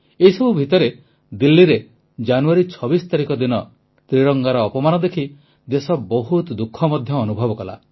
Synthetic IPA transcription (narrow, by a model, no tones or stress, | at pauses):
eisɔbubʱit̪ɔɾe | d̪ilːiɾe | d͡ʒanuaɾit͡ʃʰɔbisɔt̪aɾikɔd̪inɔ | t̪ɾiɾɔŋɡaɾɔːpɔmanɔd̪ekʰi | d̪esɔbɔɦut̪d̪ukʰːɔmɔd̪ʱjɔːnubʱɔbɔkɔla̰